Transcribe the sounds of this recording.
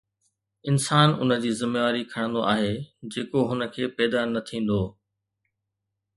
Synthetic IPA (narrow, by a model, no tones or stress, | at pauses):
ɪnsaːnʊ̰nə̆d͡ʑiːzɪmeʋaːɾikʰɐɽ̃ə̃nd̪oʔaːɦeːd͡ʑeːkoɦʊnə̆kʰeːpɛːd̪anɐt̪ʰĩːn̆d̪oː